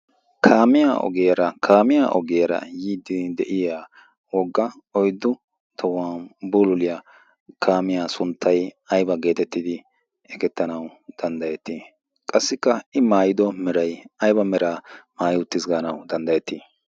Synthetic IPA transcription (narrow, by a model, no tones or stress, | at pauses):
kʰaːmɪja̰ʔɔ̰ɡɛjɐɾɐkʰaːmɪjaʔɔ̰ɡɛjɐɾɐ̰jiːd̪ɪd̪ɛʔɪjaː | wɔɡːɐ | ɔjd̪ːʊ | t̪ʰɔwaːbuːlʊlɪjɐ | kʰaːmɪjaːsʊnt̪ʰːɐjɐjbɐɡe̞ːt̪ɛt̪ːɪd̪ɪ | ɛkɛt̪ːɐnɐwd̪̥ɐnd̪ɐjɛt̪ːi | kʼɐsːɪkːɐɪmaːjɪd̪ɔmɛɾɐjɐjbɐmɛɾaːmaːjʊt̪ːɪsɡaːnɐwd̪ɐnd̪ɐjɛt̪ːiː